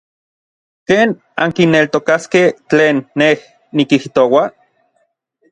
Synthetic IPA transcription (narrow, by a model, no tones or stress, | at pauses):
keːn | aŋkinːelt̪okaskeht͡ɬeːnːeh | nikiht̪owa